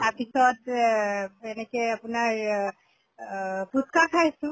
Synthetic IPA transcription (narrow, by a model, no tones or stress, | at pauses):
apisɔt | enɛkɛapunaɹ | bʱut̪kakʰajsʊ̃